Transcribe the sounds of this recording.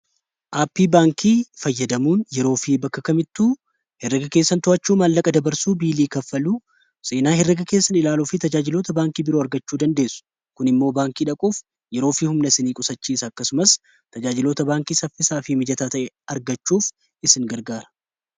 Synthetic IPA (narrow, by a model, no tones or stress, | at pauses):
ʔaːpːiːbaːŋkʰiːfɐjːɐd̪ɐmuːnjɛɾo̞ːfiːbɐkːɐkɐmɪt̪ːuː | hɛrːɐɡɐke̞ːsːɐnt̪ʊʔɐt͡ʃːuːmaːlːɐkʼɐd̪ɐbɐɾsuːbiːliːkɐfːɐluː | seːnaːhɛrːɐɡɐke̞ːsːɐnɪlaːluːfit̪ɐd͡ʒaːd͡ʒɪlo̞ːt̪ɐbaːŋkiːbɪɾo̞ːɐɾɡɐt͡ʃːuːd̪ɐnd̪e̞ːsːʊ̥ | kʊnɪmːo̞ːbaːŋkiːᶑɐkʼuːf | jɛɾoːfiːhʊmnɐsɪniːkʼʊsɐt͡ʃːiːsɐːkːɐsʊmɐs | t̪ɐd͡ʒaːd͡ʒɪlo̞ːt̪ɐbaːŋkiːsɐfɪsaːfɪmɪd͡ʒɐt̪aːt̪ɐʔɛ | ɐɾɡɐt͡ʃːuːf | ɪsɪŋɡɐɾɡaːɾɐ̥